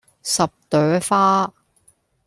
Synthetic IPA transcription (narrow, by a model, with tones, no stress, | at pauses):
sɐ˨p̚t̪œː˨˥faː˥